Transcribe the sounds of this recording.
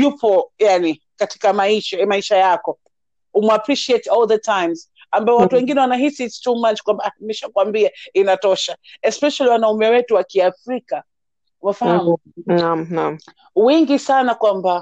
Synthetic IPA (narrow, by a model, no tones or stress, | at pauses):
jupɔjani | kati̥kamaiʃamaiʃajakɔ | umuapɹiʃiɛtɔlˠðətʰãjmz | ambaɔwatuwɛŋɡinɛwanaɦisitstumat͡ʃkwambamɛʃakwambiainatɔʃaɛspɛʃaliwanaumɛwɛtuwakiafɾika | umafahamu | namnam | wɛŋɡisanakwamba